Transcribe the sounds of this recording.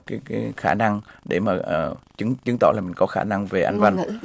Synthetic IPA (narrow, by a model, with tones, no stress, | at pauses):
kaː˨˦jkaː˨˦jxaː˧˩na˧ŋɗḛ˧˩maː˨˩əː˨˩t͡ɕɨ˨˦ŋt͡ɕɨ˨˦ŋt̪ɔ̰˧˩laː˨˩mï˨˩ŋ̟kɔ˨˦xaː˧˩na˧ŋve˨˩ʔa˧jŋ̟va˧n˧